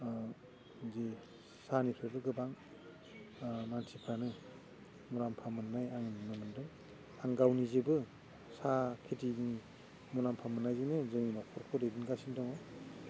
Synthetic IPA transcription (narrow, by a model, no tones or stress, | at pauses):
ze | sanipʰɯbɯɡɯbaŋ | nansʰipʰanɯ | muɾampʰamɯnːajaŋnnɯmɯndɔŋ | aŋɡawnizebɯ | sakʰetini | muɾampʰamɯnːajzenɯzɯŋimakʰɔɾkʰɔdejdinɡasindɔŋɔ